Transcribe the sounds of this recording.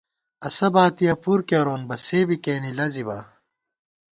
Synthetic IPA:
ɐsɐbaːt̪ijɐpuɾkeɾoːnbɐseːbikeːnilɐziba̰ː

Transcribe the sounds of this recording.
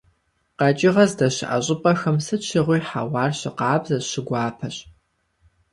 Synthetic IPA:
qɐt͡ʃʼɪʁɐzdɐɕɪ̰ʔɐ̰ɕʼɪpʼɐxɐmsɨt͡ʃʰɪʁʷiːħawɑːrɕɪqɑːbzɐɕɪɡʷɑːpʰɐɕ

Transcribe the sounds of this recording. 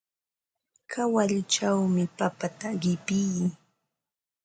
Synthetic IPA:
kʰawaʎʊt͡ʃawmɪpapat̪aɢɪpɪj

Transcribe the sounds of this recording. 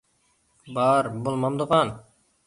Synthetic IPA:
bɑɾbolˠmɑmd̪əʁɑn

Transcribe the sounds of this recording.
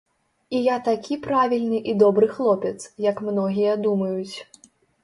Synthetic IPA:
ijat̪akʲipɾavʲilʲnɨʔid̪ɔbɾɨxlˠɔpʲɛt̪sjɐkmnɔɣʲijɐd̪umɐjut͡sʲ

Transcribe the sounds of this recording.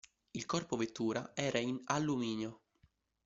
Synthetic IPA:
ilkɔrpovet̪ːuːɾaɛːɾainalːumiːnjo

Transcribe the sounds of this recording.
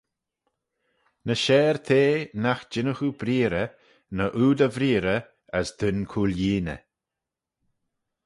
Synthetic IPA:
nəʃɛːɾt̪ʰeːnaxd͡ʒɪnəxubɾiːɾə | nəʔuːd̪əvɾiːɾə | əsd̪̥ʊnkʰuːljiːnə̰

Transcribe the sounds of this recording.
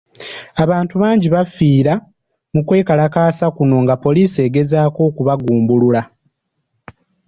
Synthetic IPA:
aβaːntuβaːɲɟiβafiːɾa | mukwe̞ːkalakaːsakuno̞ŋɡapo̞liːse̞ːɡe̞zaːko̞ːkuβaɡuːmbulula

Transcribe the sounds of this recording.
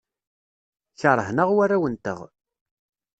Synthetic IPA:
çəɾˤəɦnəʁwarːawənt̪ə̰ʁ

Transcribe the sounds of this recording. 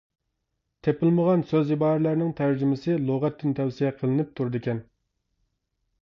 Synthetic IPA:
t̪ʰepɪlməʁɑnsøzibɑːɾlæɾnɪŋt̪ʰæɾd͡ʒymɪsɨlˠoʁɛt̪̚ːɪnt̪ʰɛwsijɛqʰəlˠɨnɪp̚t̪ʰuɾɨd̪ɪkʲʰɛn

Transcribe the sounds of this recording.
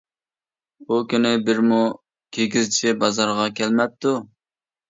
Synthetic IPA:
bukʲynɪbɪɾmu | kʲʰeɡʲizt͡ʃʰibɑzɑɾʁɑkʲʰɛlmɛp̚t̪ːu

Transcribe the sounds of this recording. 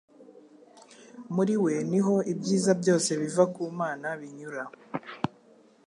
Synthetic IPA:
muɾiwe̞niɦo̞ibɟiːzabɟo̞ːse̞βivakuːmaːnaβiɲuɾa

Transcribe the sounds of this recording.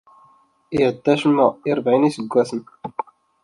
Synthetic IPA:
ɪʕəd̪ːæʃmːəiɾˤbʕinisəɡʷːæsən

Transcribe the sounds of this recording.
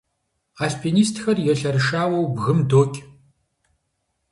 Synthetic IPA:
aːspʰiːniːstʰxɐrjɛɬɐɾɨʃaːwɐwbɣɨmdoːkʲʼ

